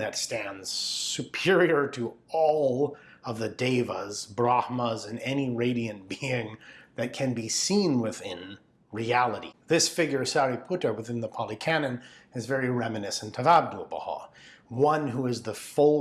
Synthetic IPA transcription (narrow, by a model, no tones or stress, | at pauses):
ðɨtstæ̃ndz̥sɨpʰɪɹiə˞ɾɨɔlˠ | ʌvðɨdeɪvəzbɹɑhməzɨ̃nɛniɹeɪɾiɨ̃nb̥iɪ̃ŋðɨt̚kʰɨ̃nbisĩnwɪðɪ̃n | ɹiælˠəɾḭðɪsfɪɡjə˞sæɹipʰuɾə˞wɨθɪ̃nðəpʰɑlˠikʰænɨ̃nɨzvɛɹiɹɛmɨnɪsn̩tʰʌvæb̚dəlˠbə̰hɑ̰ | wʌ̃nɦuɨzðəfoʊ